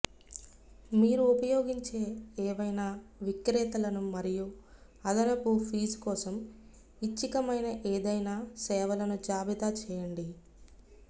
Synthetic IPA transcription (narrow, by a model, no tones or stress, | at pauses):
miːɾuːpɐjo̞ːɡiɲt͡ʃe̞ːɛːʋɐjnaʋikɾɛːt̪ɐlɐnumɐɾiju | ɐd̪ɐnɐpupʰiːd͡ʒkɔːsɐm | it͡ʃːikɐmɐjnɐʔeːd̪ɐjnaːsɛːʋɐlɐnud͡ʒaːbit̪aːt͡ʃɛːjɐɳɖi